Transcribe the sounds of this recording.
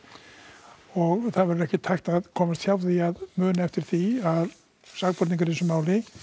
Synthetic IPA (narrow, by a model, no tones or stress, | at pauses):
ɔɣθaðvɛɾʏɾɛhcɪt̪ʰajhxt̪aðkʰɔːmast̪hçawvðiaðmœːnaɛft̪ɪɾ̥θiað | saɣpɔɾt̪niŋkaɾ̥θɛsʏmaːwlɪ